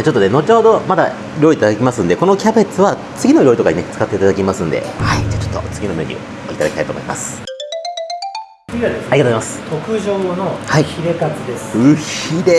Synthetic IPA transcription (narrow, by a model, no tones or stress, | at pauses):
t͡ɕot̪ːoneno̞t͡ɕo̞ːd̪o̞mad̪a̰ | ɾʲo̞iːt̪ad̪akʲimasɨ̃nd̪e̞ko̞no̞kʲabe̞t͡sɨβa | t͡sɨɡʲino̞ɾʲoit̪o̞kaɲinet͡sɨ̥kat̪ːe̞it̪ad̪akʲimasɨ̃nd̪e̞̰haid͡ʑat͡ɕo̞t̪ːo̞̰t͡sɨɡʲino̞me̞ɾʲɯ̰o̰it̪ad̪akʲit̪aitoːmoima̰sɨ̥ | sɨiad̪esaɾʲiɡat̪ozajimasɨ̥t̪ʰokɯ̟ʑo̞ːno̞haiçiɾe̞kat͡sɨd̪esɯçid̪e